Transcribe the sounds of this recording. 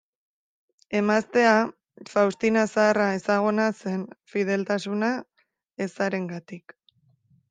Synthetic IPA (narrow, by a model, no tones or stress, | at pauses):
e̞mast̪e̞a | fawst̪inasaːrae̞saɣ̞onase̞nfið̞e̞lt̪asuna | e̞saɾe̞ŋɡat̪ik